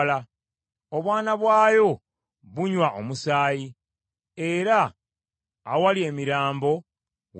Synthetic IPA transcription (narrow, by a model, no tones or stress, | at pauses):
la | oβwaːnaβwaːjo̞ | βuɲwaʔomusaːji | e̞ɾa̰ː | walie̞ːmiɾaːmbo̞ | w